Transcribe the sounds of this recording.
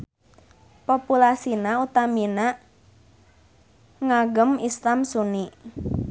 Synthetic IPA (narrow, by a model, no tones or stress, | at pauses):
populasinaut̪aminaʔ | ŋaɡəmislamsuniʔ